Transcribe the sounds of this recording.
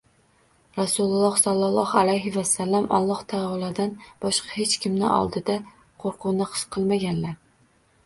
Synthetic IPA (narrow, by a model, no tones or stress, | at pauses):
ɾɑsulˠlˠːɑhsɑlˠːɑlˠːɑhalajɦɪvasːalːɑmʔɒ̰lˠːɑht̪ʰɑɒlˠɑd̪anb̥ɒʃqʰɑhet͡ʃkʲʰɪmnɪ̰ʔɒ̰lˠd̪ɪd̪a | qʰoɾqʰʊwnɪqʰɨ̥ʃqʰɨlˠmaɡʲanlaɾ